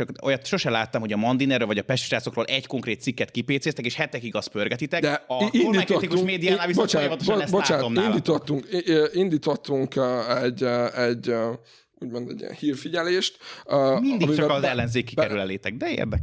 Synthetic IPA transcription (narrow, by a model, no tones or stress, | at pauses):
t͡ʃɒkojɒt̪ʃo̞ʃɛlaːt̪ːɒmho̞ɟɒmɒnd̪inɛrøːlvɒɟɒpɛʃt̪ʃraːt̪so̞kroːlʔɛɟko̞ŋkreːt̪sikːɛt̪kipeːt̪seːst̪ɛkeːʃhɛt̪ɛkiɡɒspø̞rɡɛt̪it̪ɛkd̪ɛɒiuliɛk̪ɛt̪ik̪uʃmeːd̪ijaːnaːvisoapɔt̪oʃnɛsbolːaaːntomind̪iːt̪hot̪ːuŋkiind̪iːt̪hot̪ːuŋkːɛɟɛɟ | uːɟmo̞nd̪ɛ̰ɟḭnhiːrfiɟɛleːʃt̪ːmind̪ikmit͡ʃɒkɒzɛlːɛnzeːkːikɛɾylɛleːt̪ɛɡ̚d̪ɛḛrd̪ɛk